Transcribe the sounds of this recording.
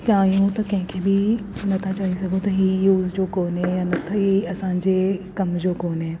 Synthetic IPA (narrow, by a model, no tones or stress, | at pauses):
t͡ʃaːɦijũt̪ɐkɐ̃ɦɪ̃kʰebʱinɐt̪ʰat͡ʃaːɦisɐɡʱõt̪ɐɦiːjuːzd͡ʑoːkoːnɦɛjaːnɐt̪ʰɐɦiɐsãːɲd͡ʑekɐmd͡ʑoːkoːnɦeː